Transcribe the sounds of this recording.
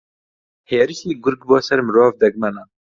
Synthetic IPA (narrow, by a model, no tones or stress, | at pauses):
heːɾiʃiːɡʊɾɡbɔːsɛɾmɾɑːvd̪ɛɡmɛna